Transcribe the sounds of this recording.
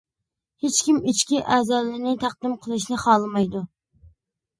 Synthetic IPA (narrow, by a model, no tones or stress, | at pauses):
het͡ʃkʲimit͡ʃkʲiʔæzɑlˠɪnɪt̪ʰæq̚d̪ɪmqʰəlˠɨʃ̬nɪχɑlˠɨmɑjd̪ʊ